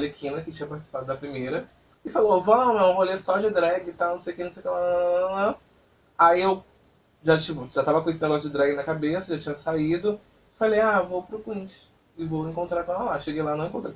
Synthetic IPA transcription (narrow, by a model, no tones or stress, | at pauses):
lekʰĩnɐkɪt͡ʃĩɲɐpaɾt͡ʃɪ̥si̥pad̪ʊd̪ɐpɾimejɾɐ | ɪfalovolaamɐ̃mɐ̃volesɔd͡ʒɪd̪ɾaɡɪt̪awnõsejʊkeñsejʊkelanɐ̃ | aiew | ʒat͡ʃipʊʒat̪avɐkõjesid̪ɛɡɔs̬ʊd͡ʒɪd̪ɾaɡɪnɐkabesɐʒat͡ʃĩɲɐsaid̪ʊ | ɪfalejavowpɾʊkwĩt͡ʃɪ̥ | ɪvowẽŋkõnt̪ɾakõalaʃeɡejlanɐ̃ẽkõt̪ɾe